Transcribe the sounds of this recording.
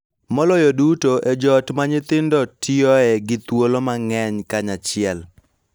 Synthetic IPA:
mɔlɔjodutoʔed͡ʒɔtmaɲɪt̪ɪndɔtʰɪɔɛɡɪt̪wolomaŋɛɲkaɲat͡ʃɪɛl

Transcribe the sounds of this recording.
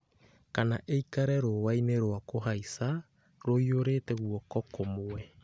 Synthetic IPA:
kanaʔeikaɾɛɾowaineɾoakoɦaisa | ɾoioɾetɛɣuɔkɔkomowɛ

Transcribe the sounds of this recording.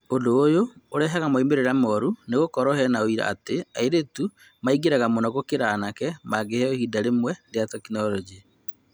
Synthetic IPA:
ondoːjooɾɛɦaɣamoimeɾeɾamɔɾuneɣokɔɾɔɦɛnaoiɾa̰a̰teaeɾetu | maiɡeɾɛɣamɔnɔɣokeɾaːnakɛmaɡehɛohidaɾemwɛɾeatɔkinɔlɔd͡ʒi

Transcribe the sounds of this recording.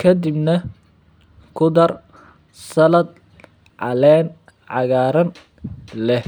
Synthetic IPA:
kʰɐd̪ibnɐ | kʰʊd̪ɐr | sɐlɐd̪̚ | ʕɑlɛːn | ʕɑɣaːɾɐn | lɛh

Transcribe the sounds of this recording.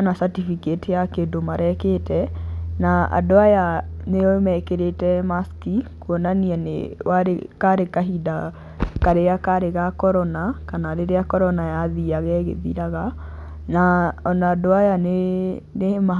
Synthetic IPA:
anasatifiketʰejakedomaɾɛketɛnaa̰doajaneomɛkeɾetɛmaskikuɔnaniɛnḛwaɾekaɾekaɦida | kaɾeakaɾeɣakɔɾɔnakanaɾeɾeakɔɾɔnajaðiaɣɛɣḛðḭɾaɣa | naɔnaːdoajane | nema

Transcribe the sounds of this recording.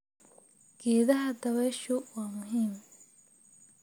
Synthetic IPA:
ɡ̥ɛːðɐɦɐd̪ɐβɛːʃʊwaːmʊɦiːm

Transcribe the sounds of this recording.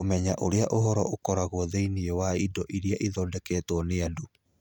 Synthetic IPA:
omɛɲaʔoɾeaʔoɦɔɾɔokɔɾaɣwɔðeiniewaidɔʔiɾiaʔiðɔdɛkɛːtwɔneadu

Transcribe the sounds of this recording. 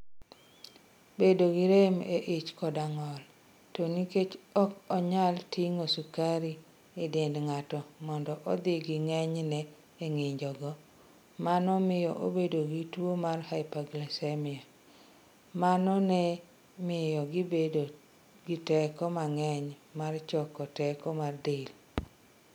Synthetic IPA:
bedoɡiɾemeʔɪt͡ʃkɔdaŋɔl | toniket͡ʃɔkɔɲaltiŋosukaɾi | edɪndŋatɔmɔndɔʔɔd̪ɪɡiŋɛɲnɛ | eŋɪɲd͡ʒɔɡɔ | manɔmɪjɔʔobedoɡitwomarhaɪpaɡlasemɪa | manɔnɛ | mɪjɔɡibedo | ɡitɛkɔmaŋɛɲmart͡ʃɔkɔtɛkɔmardel

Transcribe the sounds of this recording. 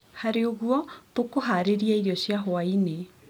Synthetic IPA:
haɾeoɣuɔβokoɦaɾeɾiaiɾjɔɕjaɦwaine

